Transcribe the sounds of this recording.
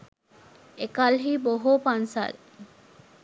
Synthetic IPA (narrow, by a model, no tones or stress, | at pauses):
ekalɦiːboɦoːpansa̰l